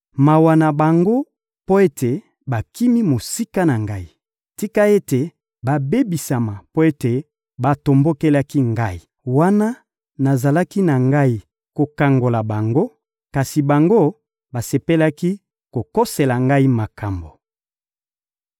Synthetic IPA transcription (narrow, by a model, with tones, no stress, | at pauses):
ma˨wa˨na˨ba˨ŋɡo˦ | po˦e˦tʰe˨ | ba˨ki˦mi˦mo˨si˦ka˦na˨ŋɡa˦i˨ | ti˦ka˦e˦te˨ | ba˨be˦bi˨sa˨ma˨po˦e˦te˨ | ba˨to˨mbo˦ke˦la˦ki˦ŋɡa˦i˨ | wa˦na˦ | na˨za˨la˦ki˦na˨ŋɡa˦i˨ | ko˨ka˨ŋɡo˨la˨ba˨ŋɡo˦ | ka˨si˨ba˨ŋɡo˦ | ba˨se˨pe˦la˦ki˦ | ko˨ko˦se˨la˨ŋɡa˦i˦ma˨kʰa˨mbo˨